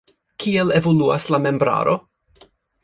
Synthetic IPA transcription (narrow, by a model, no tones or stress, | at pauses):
kʰielevolua̰slamembɾa̰ɾo